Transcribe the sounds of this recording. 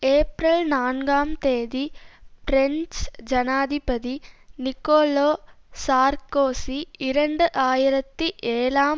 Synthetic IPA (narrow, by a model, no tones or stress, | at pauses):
eːpɾɐlnaːnɡaːmt̪eːd̪ipɾeɲt͡ʃd͡ʒɐnaːd̪ʱipɐd̪inikoːloː | saːɾkoːsiːɾɐɳɖɐʔaːjɾɐt̪ːiʔeːlaːm